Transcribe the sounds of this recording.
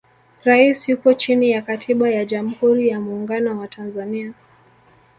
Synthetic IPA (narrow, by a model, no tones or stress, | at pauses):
ɾaisjupɔt͡ʃinijakatʰiɓajaʄam̩huɾijamuːŋɡanɔwatʰanzania